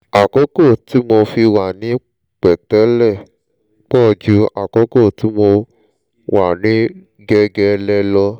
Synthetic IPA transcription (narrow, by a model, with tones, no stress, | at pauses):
a˨kɔ˨˦ko˦˨ti˨˦mo˧fi˧wa˨nĩ˨˦ | k͡pɛ˨tɛ˨˦lɛ˦˨ | k͡pɔ˦˨d͡ʒu˧˦a̰˨kɔ˨˦ko˦˨ti˨˦mo˧ | wʔa˨nĩ˨˦ | ɡɛ˧ɡɛ˧lɛ˧lɔ˧